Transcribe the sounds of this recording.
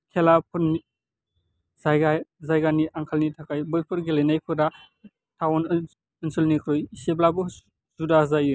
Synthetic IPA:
kʰelapʰuni | zajɡazajɡaniʔaŋkʰalnitʰakajbɯjpʰɯɾɡilajnajkʰɯɾa | tʰawan | ɯnsɯlnikʰɾojiseblabɯ | zudazaju

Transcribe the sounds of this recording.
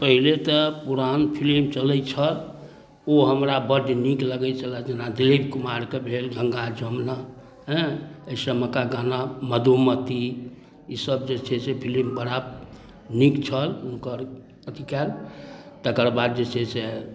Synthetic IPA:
pəɦilet̪əpuɾanpʰilimt͡ʃələt͡ʃʰəl | oɦəmɾabəɖnikləɡət͡ʃʰəlad͡ʒenad̪ilibkumaɾkebʱelɡʱəŋɡad͡ʒəmna | ɦɛ̃əisəməkaɡanaməd̪ʱumət̪i | isəb̚d͡ʒet͡ʃʰesepʰilimbəɽa | nikt͡ʃʰəlunkəɾ | əd̪ikaɾt̪əkəɾbad̪̚d͡ʒet͡ʃʰese

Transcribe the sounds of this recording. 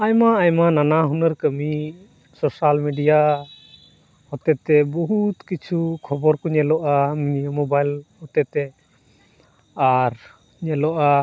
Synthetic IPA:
ajmaːjmananaɦunəɾkəmi | sɔsalmiɖija | hɔt̪ɛt̪ɛbɔɦut̪kit͡ʃʰukʰɔbɔɾkɔɲɛlɔʔamiɲiəmɔbajlhɔt̪ɛt̪ɛ | aɾ | ɲɛlɔʔa

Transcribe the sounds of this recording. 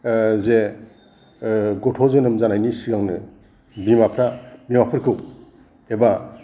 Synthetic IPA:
ze | ɡɔtʰɔzɯnɯmzanajnisiɡaŋnɯ | bimapʰɾabimapʰɯɾkʰɯw | eba

